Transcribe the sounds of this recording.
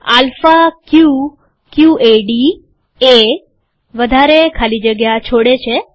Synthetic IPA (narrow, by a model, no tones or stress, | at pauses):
alfakju | kjuʔeɖi | e | ʋəd̪ʱaɾekʰalid͡ʒəɡjat͡ʃʰoɽet͡ʃʰe